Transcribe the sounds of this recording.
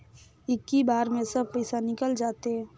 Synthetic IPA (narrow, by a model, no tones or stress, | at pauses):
ɪkːibaːɾmẽsɐb̚pəɪsanɪkəld͡ʒaːt̪eɦɛ̃ː